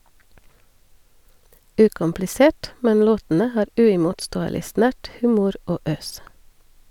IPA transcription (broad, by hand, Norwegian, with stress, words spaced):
ˈʉːkʊmplɪˌseːʈ ˈmɛn ˈloːtn̩ə ˈhɑːɾ ˈʉːɪmʊtˌstoːəlɪ ˈsnæʈ ˈhʉːmʊɾ ˈoː ˈøːs